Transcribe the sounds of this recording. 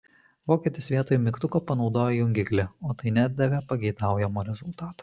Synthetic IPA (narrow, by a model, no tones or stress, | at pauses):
ʋoːkʲiɛt̪ʲɪsʋʲiɛt̪oːjumʲɪkt̪ʊkoːpɐnɒʊd̪oːjojʊŋʲɡʲɪklʲɛoːt̪ɐɪnʲæːd̪̚ʲd̪ɐʋʲɛpɐɡʲɛɪd̪ɑˑʊjɛmoːɾʲɛzʊlˠt̪ɑːt̪o̥ː